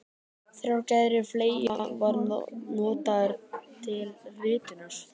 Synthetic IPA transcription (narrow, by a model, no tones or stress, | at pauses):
θɾjawcɛðɾɪfleːjavaɾnɔːt̪aɾt̪ʰɪlrɪːt̪ʏnaɾ̥